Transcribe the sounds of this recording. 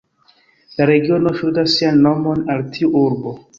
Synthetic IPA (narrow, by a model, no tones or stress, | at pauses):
laɾe̞ɡio̞no̞ʃudasːianːo̞mo̞naltʰiuuɾbo